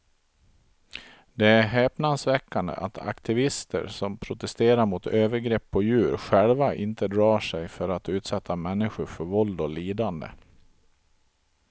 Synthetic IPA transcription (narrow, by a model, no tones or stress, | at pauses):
d̪ɛæɾɦɛːpnansvɛkːand̪ə̰ʔat̪ʰa̰kt̪ʰɪvɪst̪ə̰ɾsɔmpʰɾʊt̪ɛst̪eːɾaɾmʊt̪ʰøːvəɾɡɾɛpʰːɔjʉ̟ːɾɧɛlvaʔɪnt̪əd̪ɾɑːʂɛjfœɾat̪ʉ̟ːt̪sɛt̪ʰːamɛnːɪɧʊɾfœɾvɔld̪ɔliːd̪and̪ə̰